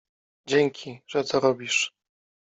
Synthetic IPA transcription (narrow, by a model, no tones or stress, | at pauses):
d͡ʑeŋkʲʰiʐ̥ɛt̪ɔɾɔbʲiʂ